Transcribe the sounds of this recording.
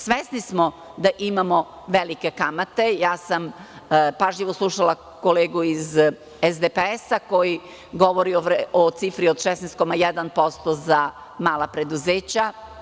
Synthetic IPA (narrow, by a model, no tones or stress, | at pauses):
sʋesnismo | d̪aʔimamo | ʋelike̞kamat̪e̞jaːsampaʒʎiʋoslˠuʃala | koleːɡuiz | ezd̪epeesako̞ji | ɡo̞ʋoɾioot̪sifɾiod̪ʃɛsnest̪̚komajɛd̪anpo̞st̪oza | maːlapɾe̞d̪uzeːt͡ɕa